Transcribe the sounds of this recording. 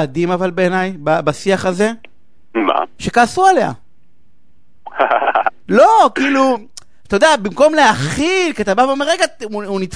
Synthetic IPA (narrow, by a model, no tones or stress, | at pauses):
ad̪imavalbeːnajbabasiaχaze̞ | ma̰ʃe̞kaːsuale̞a̰ | h | lokiːlu | t̪ajod̪abimko̞mleaχilkiat̪abavoomeʁeɡatunit͡s